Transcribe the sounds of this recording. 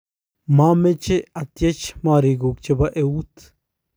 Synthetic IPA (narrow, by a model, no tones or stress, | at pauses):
mamet͡ʃeat̪jet͡ʃmaɾiɡuk̚t͡ʃebaʔeut̪